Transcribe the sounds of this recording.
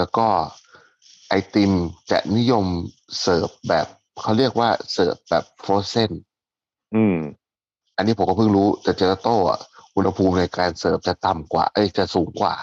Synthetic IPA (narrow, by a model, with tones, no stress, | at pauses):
lɛː˦˥wkɔː˥˩ | ʔa˧jt̪i˧mt͡ɕa̰˨˩ʔ̚ni˦˥jo˧m | sɤː˨˩p̚bɛː˨˩p̚ | kʰa˦˥wɾi˥˩ək̚waː˥˩sɤː˨˩p̚bɛː˨˩pʰːɾoː˧˩se˥˩n | ʔɯː˧˩ | ʔa˧nːiː˦˥pʰkɔ˥˩pʰɯ˥˩ŋɾuː˦˥t̪ɛː˨˩t͡ɕeː˧la˧˥t̪oː˥˩ʔa̰˨˩ʔu˧nha˧pʰuː˧mna˧jkaː˧nsɤː˨˩p̚t͡ɕa˨˩t̪a˨˩mkwa̰ː˨˩ʔɤː˧˩jt͡ɕa˨˩suː˩˦ŋkwa̰ː˨˩